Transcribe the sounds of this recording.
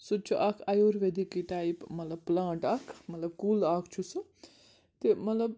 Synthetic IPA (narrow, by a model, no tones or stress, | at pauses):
sut͡ʃʰuʔakʰajoːɾʋed̪ikiʈaːipmɐt̪lɐb̚plãːɳʈakʰmɐt̪lɐb̚kulaːkʰt͡ʃʰusu | t̪emɐt̪lɐb̚